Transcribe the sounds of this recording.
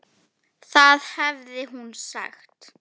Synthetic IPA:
θaðhɛvðɪɦunsa̰xt̪

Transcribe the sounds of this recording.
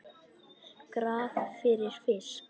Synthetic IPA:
kɾaːθfɪɾɪɾ̥fɪs

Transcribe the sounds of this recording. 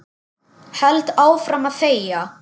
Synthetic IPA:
hɛlt̪aːwfɾamaðθeːjja

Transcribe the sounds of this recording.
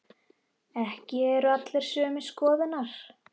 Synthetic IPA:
ɛhcɪɛɾʏat̪lɛɾ̥sœːmɪskɔːðɪnaɾ̥

